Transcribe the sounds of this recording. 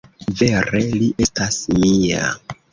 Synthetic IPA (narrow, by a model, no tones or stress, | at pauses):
ve̞ɾe̞liʔe̞stasmia̰